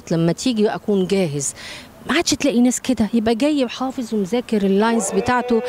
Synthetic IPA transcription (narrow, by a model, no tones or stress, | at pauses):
t̪læmːæt̪ʰiːɡiʔæ̰kuːnɡæːɦez | maʕaːd̪̥ʃt̪læːʔinæːsked̪æjebʔæɡæjːebħɑːfezwemozæːkeɾelːɑjnzbet̪aːʕt̪o